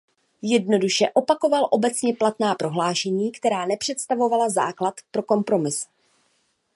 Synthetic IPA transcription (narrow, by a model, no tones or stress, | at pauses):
jɛdno̞duʃɛʔo̞pako̞valʔo̞bɛt͡sɲɛplat̪naːpɾo̞ɦlaːʃɛɲiːkt̪ɛɾaːnɛpr̝̥ɛt̪st̪avo̞valaza̰ːklat̪pɾo̞ko̞mpɾo̞mɪs